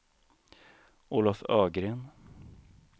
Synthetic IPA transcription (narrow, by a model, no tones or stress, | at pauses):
uːlafœːɡɾeːn